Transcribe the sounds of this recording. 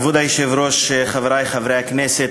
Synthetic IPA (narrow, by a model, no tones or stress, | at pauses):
vud̪ajɪʃɪvɾɔʃχavɾajχavɾɛknɛsɪt